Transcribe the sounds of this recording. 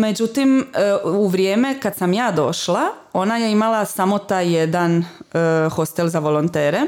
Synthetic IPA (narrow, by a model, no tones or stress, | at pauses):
me̞d͡ʑut̪imuʋɾjeːme̞kad̪̥samjaːd̪o̞ʃlˠao̞najeimalˠasamo̞t̪aːjːed̪an | xo̞st̪elzaʋo̞lˠo̞nt̪eːɾe